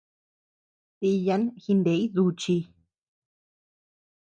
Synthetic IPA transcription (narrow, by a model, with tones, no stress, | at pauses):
t̪i˧ja˧˦nxi˧nd̪e˨i˦ðu˧t͡ʃi˧